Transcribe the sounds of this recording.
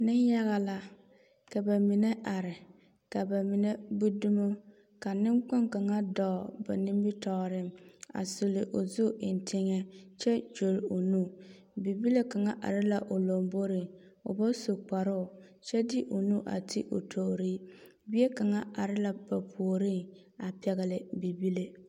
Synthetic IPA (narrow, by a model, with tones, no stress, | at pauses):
nɪ˦nja˦ɣa˨la˨ | ka˨ba˨mɪ˨ne˦ʔa˨ɾɪ˨ | ka˨ba˨mɪ˨ne˦bu˦du˦mo˦ | ka˨nɪ˦ŋk͡pɔ˦ŋka˨ŋa˦dɔ˨ba̰˨ni˦mbɪ˦tɔ˨ɾɪ˦ma̰˨su˨lɪ˨ʔo˨zu˦ɪ˨n˨tʰɪ˦ŋɛ˦t͡ʃɛ˦d͡ʒo˨lʊ˨nu˦ | bi˨bi˦le˦ka˨ŋa˦ʔa̰˨ɾɪ˦la˨ʔo˨lo˨mbo˦ɾi˦ | ʊ̰˨bɔ˦su˨k͡pa˨ɾʊ˦ʊ˨ | t͡ʃɛ˦dɪ˦ʔo˨nu˦ʔa̰˨tʰḭ˦ʔo̰˨tʰo˨ɾiː˦ | bi˦e˦ka˨ŋa˦a˨ɾɪ˦la˨ba˨pʰu˨o˨ɾi˦˨ŋ | a˨pɛ˨ɣɪ˨lɪ˨bi˨bi˦le˦